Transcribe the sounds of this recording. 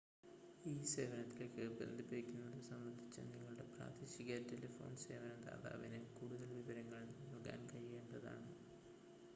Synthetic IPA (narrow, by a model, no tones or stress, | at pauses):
iːse̞ːʋɐnɐt̪ːilokːɨbḛnd̪ʱipːiikʲːunːɐðɨsɐmːɐnd̪ʱit͡ɕːɐ̰niŋːɐɭuɽe̞pra̰ːd̪iːɕiɣaːtːelɐfo̞̰ːnse̞̰ːʋɐnɐd̪a̰ːða̰ːʋinɨkuːɽuðɐlʋiʋɐɾɐŋːɐɭnɐlɡa̰ːnkɐjːe̞ːɳɖɐða̰ːɳɨ